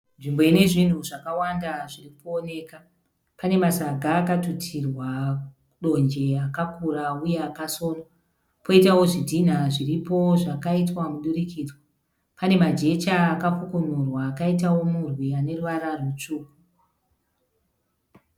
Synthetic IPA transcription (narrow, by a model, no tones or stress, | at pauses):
nʐimbo̞ine̞ʐin̤uʐakawandaʐiripuone̞ːka | pane̞masaɡʱaːkatutʰirwa | uɗo̞nd͡ʒe̞akakurauje̞akaso̞ːno | po̞itawo̞ʐidʱin̤aʐiripo̞ʐakaitwamuɗurikiːd͡zwa | pane̞mad͡ʒe̞t͡ʃaːkafukonurwaːkaitawo̞murwiane̞ruʋaɾarwut͡ʂuːku